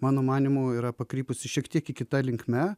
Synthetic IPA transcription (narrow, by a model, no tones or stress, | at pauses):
mɑːnoːmɑːnʲiːmuːiːɾɐpɐkɾʲiːpʊsʲɪʃʲiɛkt̪ʲiɛkɪkʲɪt̪ɐlʲɪŋkmʲɛ